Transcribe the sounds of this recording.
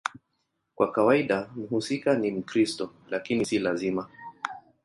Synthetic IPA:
kwʔakawaiɗam̩husikanim̩kɾistɔ | lakinisilazima

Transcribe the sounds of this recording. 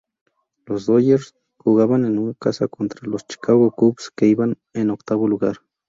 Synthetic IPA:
losd̪ojeɾs | xuɣaβanenuŋkasa̰kont̪ɾalost͡ʃi̥kaɣokupskeiβan | enokt̪aβoluɣaɾ

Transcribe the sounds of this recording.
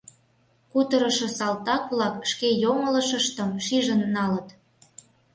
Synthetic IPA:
kut̪əɾə̆ʃɤ̆sɑlt̪ɑkβlɑkʃkejoŋə̆lə̆ʃə̆ʃt̪əmʃiʒə̆nːɑlət̪

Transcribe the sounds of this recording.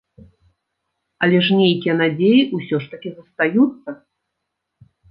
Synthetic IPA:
ɐlʲɛʂnʲejkʲijɛn̪ad͡zʲejiʔusʲɔʂt̪ɐkʲizɐst̪ajut̪sːɐ

